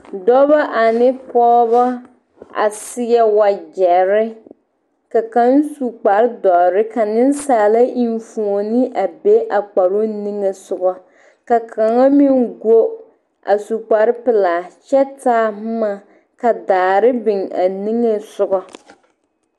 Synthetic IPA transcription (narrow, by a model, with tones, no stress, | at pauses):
dɔ˦βa˦ʔa˨nɪ˦pɔː˦ba˦ | a̰˨sɪ˦ɛ˨wa˨d͡ʒɛ˨ɾɪ˦ | ka˨ka˨˦n˦su˨k͡pa˨ɾɪ˦dɔ˨ɾɪ˦ka˨nɪ˦n˦saː˨la˦ʔi˨nfu˨o˨nɪ˦ʔa˨be˦ʔa˨k͡pa˨ɾo˦ni˦ŋe˨sʊ˨ɡɔ˦ | ka˨kʰa˨ŋa˦mi˦ŋɡo˦ | ʔa̰˨su˨k͡pa˨ɾɪ˦pɪ˨la˨t͡ʃɛ˦taː˦m˦ma˨ | ka˨daː˨ɾɪ˦bɪ˨ŋa̰˨ni˦ŋe˦sʊ˦ɡɔ˦